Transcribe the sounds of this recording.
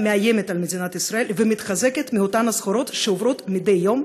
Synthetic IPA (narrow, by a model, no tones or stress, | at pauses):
meaje̞met̪almed̪inat̪isɾae̞lvemit̪χaze̞ket̪miot̪anasχoɾo̞t̪ʃeovɾo̞t̪mid̪e̞jːo̞m